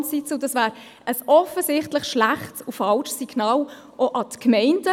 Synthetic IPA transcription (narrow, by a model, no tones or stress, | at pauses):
sit͡səd̥ɑsvæːɾ | əsɔfəsɪχtlɪχʃlæχtsʊfɑlʃsːiɡ̥nɑːl | ʔoʔɑtkmɛɪnd̥ə